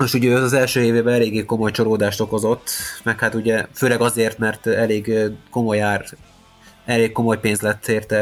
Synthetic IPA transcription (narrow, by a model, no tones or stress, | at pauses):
noʃuɟøːɒzɛlʃøːeːveːbɛnɛleːɡːeːko̞mo̞jt͡ʃo̞ɾoːd̪aːʃt̪o̞ko̞zo̞t̪ːmɛkhaːt̪uɟɛføːlɛɡɒzeːrt̪mɛrt̪ɛleːɡko̞mojaːr | ɛleːkko̞mo̞jpeːnzlɛt̪ːeːrt̪ɛ